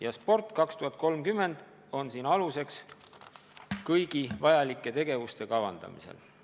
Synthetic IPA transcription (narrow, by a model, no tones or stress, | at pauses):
jɑspo̞rt̪ˑkɑkst̪uɦɑt̪̚ːˑko̞lmkymːe̞nd̪̥ | o̞nsiːnɑluse̞ks | kɤjɡ̥ivɑjɑlikˑːe̞t̪e̞ɡ̥e̞vust̪e̞kɑvɑ̰nd̪ɑ̰mḭsḛl